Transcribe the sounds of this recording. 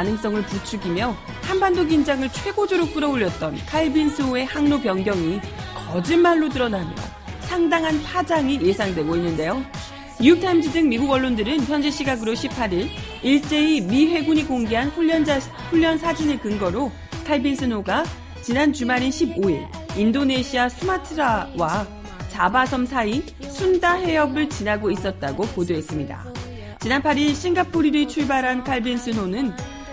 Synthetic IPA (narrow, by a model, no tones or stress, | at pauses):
anɯŋs͈ʌŋɯɭput͡ɕʰuɡimjʌ | hanbandoɡind͡ʑaŋɯɭt͡ɕʰwe̞ɡod͡ʑoɾok̚p͈ɯɾʌoʎːʌt̚t͈ʌnkʰaɭbinsʰɯoe̞haŋnopjʌŋɡjʌŋikʌd͡ʑinmaɭːotɯɾʌnamjʌ̰ | sʰaŋdaŋɦanpʰad͡ʑaŋije̞sʰaŋdwe̞ɡoinːɯnde̞jo | jijuk̚tʰamd͡ʑidɯŋmiɡuɡʌɭːondɯɾɯnçjʌnd͡ʑe̞ɕʰiɡaɡɯɾoɕʰipʰaɾiɾ | iɭt͡ɕ͈e̞imiɸwe̞ɡuɲikoŋɡeɦanɸuʎːʌn | ɸuʎːʌnsʰad͡ʑine̞kɯŋɡʌɾo | kʰaɭbinsʰɯnoɡa | t͡ɕinant͡ɕumaɾinɕʰiboiɭ | indone̞ɕʰiasʰumatʰɯɾawa | t͡ɕabasʰʌmsʰai | sʰundaɦe̞ʌbɯɭt͡ɕinaɡois͈ʌt̚t͈aɡopodoɦe̞s͈ɯmɲida̰ | t͡ɕinanpʰaɾiɭɕ͈iŋɡapʰoɾiɾit͡ɕʰuɭbaɾɦankʰaɭbinsʰɯnonɯn